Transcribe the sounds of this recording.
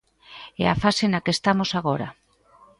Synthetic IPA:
ɛ̰afasenakest̪amosaɣ̞oɾa̰

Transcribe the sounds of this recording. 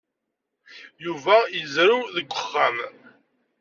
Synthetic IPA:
juvæjəzɾuðəɡʷːəχːam

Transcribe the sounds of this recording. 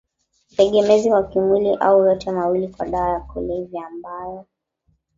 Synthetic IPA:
tɛɠɛmɛziwakimwiliʔa̰ujɔtɛmawilikwaɗaːjakuliviambajɔ

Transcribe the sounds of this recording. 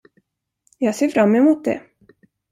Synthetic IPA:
jɑːɡseːɾfɾamːɛmʊːt̪̚d̪ɛ̰

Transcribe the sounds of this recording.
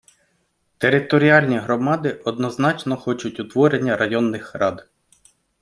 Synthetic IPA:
t̪eɾɪt̪ɔɾʲiɑlʲnʲiɦɾɔmɑd̪ɪʔɔd̪nɔznɑt͡ʃnɔxɔt͡ʃʊtʲʊt̪ʋɔɾenʲːɐɾɐjɔnːɪxrɑd̪

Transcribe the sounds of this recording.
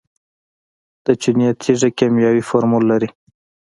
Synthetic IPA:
d̪̥ət͡ʃinijat̪ʰiʐekemjɑwifoɾmulːaɾi

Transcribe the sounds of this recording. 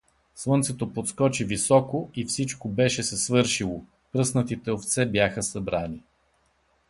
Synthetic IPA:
slˠɤnt̪sɛt̪opot̪skɔt͡ʃivisɔkoifsit͡ʃkobɛʃɛsɛsvɤɾʃilˠo | pɾɤsnət̪it̪ɛoft̪sɛbjaxəsɐbɾani

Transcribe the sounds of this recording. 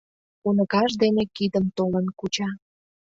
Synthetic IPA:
unəɣɑʃd̪enekid̪ənt̪olənkut͡ɕɑ

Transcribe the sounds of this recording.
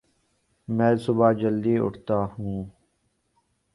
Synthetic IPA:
mɛ̃ːsʊbaːd͡ʒəld̪iːʊ̰ʈʰt̪aːhũː

